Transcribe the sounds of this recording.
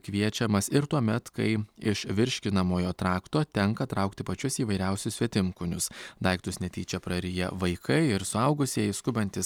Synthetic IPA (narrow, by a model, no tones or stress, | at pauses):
kʋʲiɛt͡ʃʲɛmɐsɪɾt̪uɔmʲɛt̪kɐɪɪʃʋʲɪɾʲʃʲkʲɪnɐmoːjoːt̪ɾɑːkt̪oːt̪ʲɛŋkɐt̪ɾɐʊkt̪ʲɪpɐt͡ʃʲʊsiːʋɐɪɾʲæʊsʲʊsʲʋʲiɛt̪ʲɪmkʊnʲʊsd̪ɐɪkt̪ʊsʲnʲɛt̪ʲiːt͡ʃʲɛpɾɐɾʲɪjɛ̰ʋɐɪkʰɐɪɪɾsʊɐʊɡʊsʲiɛjɪskʊbɐnʲt̪ʲɪs